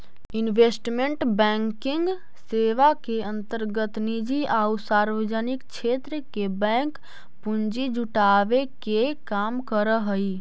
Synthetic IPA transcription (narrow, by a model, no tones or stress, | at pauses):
ɪnʋeːsʈmẽɳʈbɛ̃ːŋkɪ̃ŋɡ | seːʋakeə̃nt̪əɾɡət̪nid͡ʒiaːusaːɾʋəd͡ʒənɪkt͡ʃʰeːt̪ɾəkebɛ̃ːŋk | pʊnd͡ʒid͡ʒuʈaːʋekekaːmkəɾəɦəi